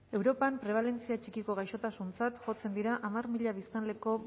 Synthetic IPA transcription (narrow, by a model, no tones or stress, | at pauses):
e̞wɾo̞pampɾe̞β̞ale̞nt͡siat͡ʃikiko̞ɣajʃo̞t̪asunt͡sat̪ʝo̞t͡se̞nd̪iɾaʔamarmiʎaβ̞ist̪anle̞ko̞